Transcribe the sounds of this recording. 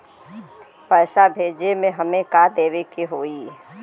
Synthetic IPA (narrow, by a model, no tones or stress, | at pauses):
pɛːsabʱeːd͡ʒemẽɦɐmẽkad̪eːʋekiɦoːi